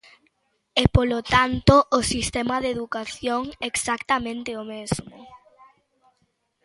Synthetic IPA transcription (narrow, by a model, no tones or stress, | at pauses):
ɛpolot̪ant̪oʔːsist̪ɛmɐðeðukaθjoŋeksakt̪amẽnt̪ɪomezmʊ